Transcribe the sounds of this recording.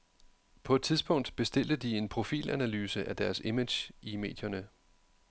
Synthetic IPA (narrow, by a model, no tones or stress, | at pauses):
pʰɒ̽ed̥̚t͡sʰiðˠsb̥ɔ̽ŋ̰d̥b̥e̝sd̥e̝l̰d̥əd̥ie̝npʰʁo̝fḭːlʔænælyːsəʔæd̥æɐseme̥jʔime̝̰ːd̥jɐnə